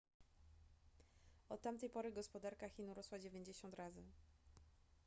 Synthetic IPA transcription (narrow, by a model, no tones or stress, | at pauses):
ɔt̪ːamt̪ɛjpɔɾɘɡɔspɔd̪aɾkaxʲinuɾɔswad͡ʑevʲjeɲd͡ʑeɕɔnt̪ɾazɘ